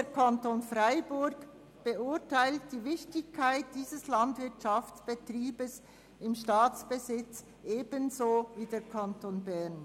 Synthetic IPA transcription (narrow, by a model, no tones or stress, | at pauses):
dekʰantonfraɪbʊɾɡ | b̥eʊɾtʰaɪltd̥iːvɪçtɪçkʰːaɪt̚d̥iːzəslantvɪɐtʃaft͡sb̥etriːbəs | ɪmʃtaːt͡sb̥əzɪt͡s | ʔeːb̥ənzoːviːdeːɐkʰantoːnbɛʁn